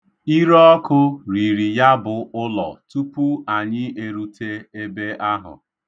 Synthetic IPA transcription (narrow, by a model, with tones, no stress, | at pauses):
i˦ɾɔ˦ɔ˦kʊ˦ɾi˨ɾi˨ja˦bʊ˨ʔʊ˦lɔ̰˨tu˦pu˦a˨ɲɪ˦e˨ɾu˨tʰe˦e˦be˦a˦ɦʊ̰˨